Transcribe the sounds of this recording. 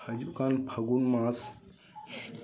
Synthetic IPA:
ɐd͡ʒukanpʰɐɡunmas

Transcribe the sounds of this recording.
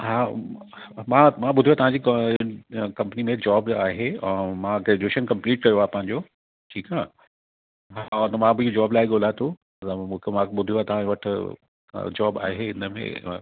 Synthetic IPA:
ɦaː | mãːmãɓʊd̪ʱiuaːt̪ɐʋ̤ãɲd͡ʑiːk | kɐ̃mpənimẽd͡ʑɔːbaːɦemãɡɾed͡ʑeːʃənkɐ̃mpliːʈkɐjoaːɦpɐ̃ɦɪ̃ɲd͡ʑoː | ʈʰiːkaː | ɦat̪ɐmãbɪiod͡ʑaːblaːeɠoːlaːt̪o | t̪mũːkʰemãɓʊd̪ʱijoat̪ɐʋ̤ãʋɐʈʰɪ̰ | d͡ʑɔːba̰ːɦeɪnəmḛ̃

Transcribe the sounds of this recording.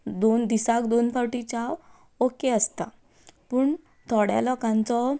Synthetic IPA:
d̪ond̪isakd̪onfɔʈit͡ɕaʋ | okeəst̪a | puːɳ | t̪ʰɔɽja̰lɔkãnt͡sɔ

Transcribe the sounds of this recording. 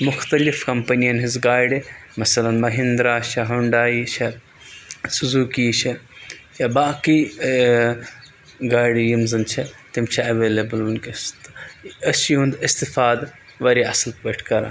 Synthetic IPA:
mʊxt̪ɐlifkɐmpɐnijɐnɦizɡaːjɖemɐsɐlɐnmɐɦind̪ɾaːʃʰɐɦɐɳɖaːit͡ʃʰɐ | suzuːkiːt͡ʃʰɐjabaːki | ɡaːiɖjimzɨnt͡ʃʰɐt̪imt͡ʃʰɐɐʋeːlɐbɨlunkist̪ɐsiɦũnd̪ist̪ifaːd̪ | ʋɐɾiɐslʋɐʈʰkɐɾa̰ː

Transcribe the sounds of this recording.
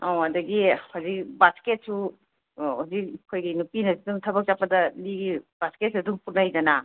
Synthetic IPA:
aɐdɐɡihawzik̚basket̚su | hazikkʰojɡinupinɐsiduŋtʰɐbɐk̚t͡ʃapːɐdɐliɡib̥asketsɐduŋputnajd͡ʒɐna

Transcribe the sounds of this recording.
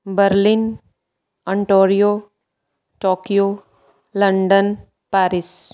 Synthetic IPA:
bəɾlin | əɳʈoːɾijo | ʈoːkijo | ləɳɖən | paːɾis

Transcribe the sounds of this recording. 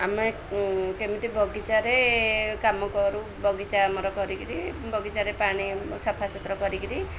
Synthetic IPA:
ame | kemit̪ibʱɔɡit͡ʃaɾekamɔkɔɾu | bʱɔɡit͡ʃamɔɾɔkɔɾikiɾibɔɡit͡ʃaɾepaɽ̃isɔpʰasɔt̪ɾɔkɔɾikiɾi

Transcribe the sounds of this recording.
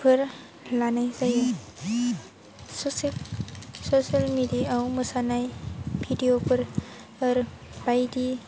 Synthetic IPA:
pʰɯɾ | lanajzajɯ | sosi | sosialmidijaawmɯsanajbʱidijopʰɯɾ | ɯɾb̥ajdi

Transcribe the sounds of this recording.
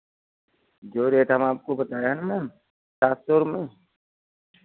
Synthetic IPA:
d͡ʒoːɾeːʈɦəmaːp̚kobət̪aːeɦɛnmɛn | ʈaːst̪oɾmẽː

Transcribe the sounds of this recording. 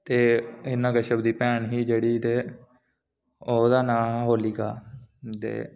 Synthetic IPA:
t̪eːɪnːãːkəʃəbd̪iːpɛːɳɦiːd͡ʒeːɽiːt̪eː | oːd̪aːnãːɦoːliːɡa̰ːt̪ḛː

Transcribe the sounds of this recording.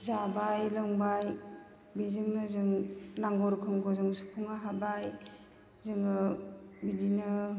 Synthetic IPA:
zabajlaŋbaj | bizɯŋnɯzɯŋnaŋɡɔɾkʰɯŋkʰɔzɯŋsu̥pʰuŋaɦabaj | zɯŋɯbiɡinɯ

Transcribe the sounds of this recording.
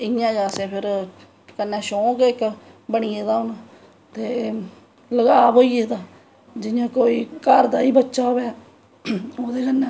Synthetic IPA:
ɪjãːd͡ʒaːsẽːpʰɪɾ | kənːɛːʃoːkeɪkbəɳiːeːd̪aːʊn | t̪eː | ləɡaːboːieːd̪aː | d͡ʒɪjãːkoːiːkəɾd̪aːiːbətːʃaːbɛː | oːd̪eːkənːɛ̃ː

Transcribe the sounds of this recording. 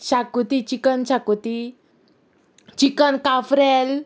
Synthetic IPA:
ɕakut̪it͡ɕikənɕakut̪i | t͡ɕikənkafɾɛl

